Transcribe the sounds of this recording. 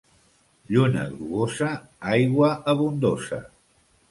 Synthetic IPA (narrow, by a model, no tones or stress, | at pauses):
ʎunə̰ɣluosa | ajɣwəəβund̪osɐ̰